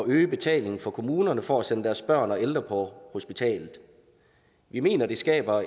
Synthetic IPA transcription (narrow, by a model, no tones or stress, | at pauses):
ɒøːb̥e̝t͡sʰɛ̰ːle̝ŋn̩fɒ̽kʰo̝muːnɐnəfɒæsenəd̥æɐsb̥ɶɐ̰nɒ̽eld̥ʁɐpʰɒ̽ho̝sb̥it͡sʰɛ̰ːlð̩ˠ | ʋime̝̰ːnɐd̥esɡ̥ɛ̰ːb̥ɐ